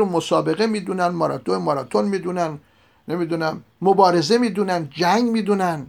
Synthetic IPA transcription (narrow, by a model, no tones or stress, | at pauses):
omosɒːbe̞ɣe̞miːd̪unænmɒɾɒ̰t̪ʰoemɒɾɑːt̪ʰonmiːd̪unænː | e̞mid̪unæmːobɒːɾe̞ze̞miːd̪unænd͡ʒæŋɡmiːd̪unæn